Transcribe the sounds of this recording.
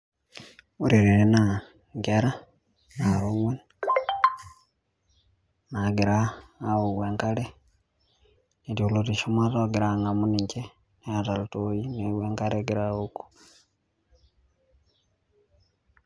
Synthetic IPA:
uɾiɾeɾena | ŋɡeɾa | naɾoŋwen | naɡiɾaːoɣweːŋkale | neɾiulotiʃomwatoɡiɾaŋɡamuniɲce | neatalutojineɣweːŋkaɾeɡiɾaoku̥

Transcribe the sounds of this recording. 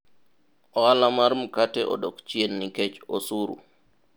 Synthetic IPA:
ʔɔalamaɾmkatɛʔɔ̰ɗokt͡ʃiɛnːikɛt͡ʃɔsuːɾṵ

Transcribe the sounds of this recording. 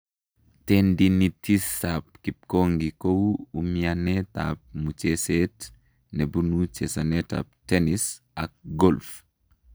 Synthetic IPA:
tɛndinitisap̚kip̚koŋɡikowumianɛta̰p̚mut͡ʃɛsɛt | nɛbunut͡ʃɛsɐnɛta̰p̚tɛnis | ɐk̚ɡɔlf

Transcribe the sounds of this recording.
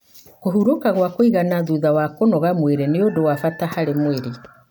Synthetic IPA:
ɣoɦuɾokaɣwakoiɣanaðuðawakonɔɣamweɾeneodowafatahaɾemweɾe

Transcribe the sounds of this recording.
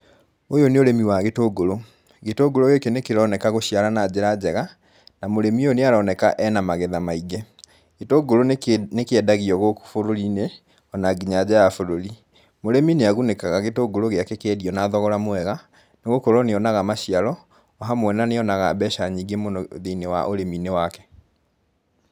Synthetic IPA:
ojoneoɾemiwaɣetoɡoɾo | ɣetoɡoɾoɣekenekeɾɔnɛkaɣoɕiaɾanad͡ʑeɾad͡ʑɛɣa | namoɾemioneaɾɔnɛkaʔɛnamaɣɛðamaiɡɛ | ɣetoɡoɾonekeɛdaɣiɔɣokfoɾoɾine | ɔnaɡiɲad͡ʑajafoɾoɾi | moɾemineaɣunekaɣaɣetoɡoɾoɣeakɛkɛdiɔnaðɔɣɔɾamwɛɣa | neɣokoɾɔneɔnaɣamaɕijaɾɔ | ɔɦamwɛnaneɔnaɣabɛʃaɲiɡemonoðeinewa̰ʔoɾeminewakɛ̥

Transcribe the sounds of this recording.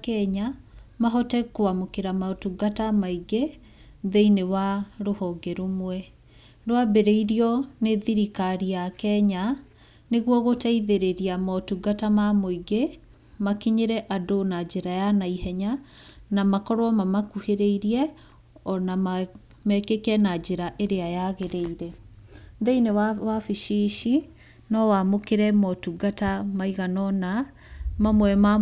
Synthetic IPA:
kɛɲamaɦɔtɛkoamokeɾamaɔtuɡatamaiɡe | ðeinewaɾohɔɡɛɾomwɛ | noabeɾɛiɾiɔneðiɾikaɾiakɛɲa | neɣwɔɣotɛiðeɾeɾiamatuɡatamamoiɡe | makiɲeɾɛʔadonad͡ʒeɾajanaihɛɲa | namakɔɾwɔmamakuheɾeiɾiɛ | ɔna | mɛkekɛnad͡ʒeɾaʔeɾeajaɣeɾeiɾɛnðeinewafiʃiʃi | nɔwamokeɾɛmɔtuɡatamaiɣanɔna | mamwɛma

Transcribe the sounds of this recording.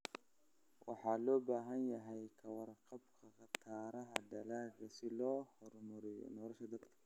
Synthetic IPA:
wɑ̰ħɑːlɔːbaːɦɐnjɐɦɛjkʰɐwɑrqɑbkʰɐχɑt̪ʰaːɾɐɦɐɖɐlaːɡɐsɪlɔːhɔrmʊɾɪjɔ̰nɔːlɐʃɐd̪ɐd̪kʰɐ̥

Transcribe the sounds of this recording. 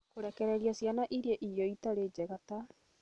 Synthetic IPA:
koɾɛkɛɾɛɾiasjanaʔiɾiɛʔijɔitaɾed͡ʒɛɣata

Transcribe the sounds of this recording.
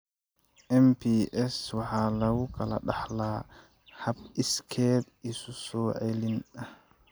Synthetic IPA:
ʔɛmpiʔɛswaħalawkʰala̰ɗaħla | hab̚iskʰɛd | isusɔʕelinɗa

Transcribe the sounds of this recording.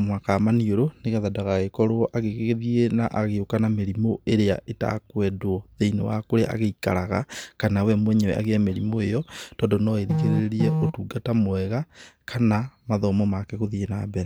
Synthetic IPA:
mwakaːmanioɾoneɣaðadaɣaɣekɔɾoʔaɣekeɣeðienaʔaɣeokanameɾimoeɾea̰ʔeta̰kwɛdwɔðeinḛwa̰koɾeʔa̰ɣeika̰ɾaɣa̰kanawɛmwɛɲɛwɛ̰ʔa̰ɣeɛmeɾimoejɔtɔːndɔnɔeɾiɣeɾeɾiɛʔotuɡatamoɛɣakʰanamaðɔmɔmakɛɣoðienabɛɾɛ

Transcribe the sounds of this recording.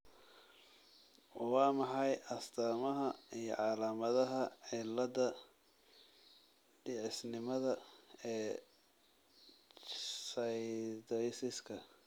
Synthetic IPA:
wɑːmɑħɑjʔɐsd̪ʰaːmɐɦɐijɞ̰ʕɑːlaːmɐðɐɦɐʕɪlːɐðɐ | ɖ̥ɪʕɪsnɪmɐðɐɛː | sɐjd̪ɛjsɪskʰɐ

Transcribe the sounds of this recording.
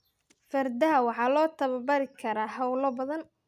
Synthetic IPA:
fɐrd̪ɐwɑħɑːlɔːt̪ʰɐβɐbɐɾɪkʰɐɾaːɦɐwlɐbɐðɐn

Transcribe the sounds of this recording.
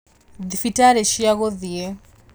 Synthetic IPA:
ðifitaɾɛʃiaɣɔðiɛ

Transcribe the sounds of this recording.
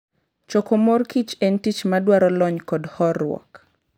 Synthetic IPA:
t͡ʃɔkomorkit͡ʃentit͡ʃmadwaɾɔlɔɲkɔdhɔrwɔ̰k

